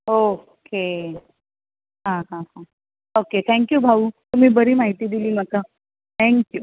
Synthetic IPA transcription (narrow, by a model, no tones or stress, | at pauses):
ɦooke | ɦãɦãɦã | oket̪ʰɛ̃ŋkjuːbʱaut̪um̤iːbəɾiːmaɦit̪iːd̪iliːm̤əka | t̪ʰæ̃ŋkju